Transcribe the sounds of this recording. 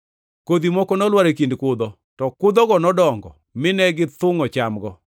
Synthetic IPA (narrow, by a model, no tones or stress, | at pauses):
kod̪imɔkɔnɔlwaɾek̬indkʊd̪ɔ | tɔkʊd̪ɔɡɔnɔdɔŋɡɔ̰ | mɪnɛɡɪt̪ʊŋɔt͡ʃamɡɔ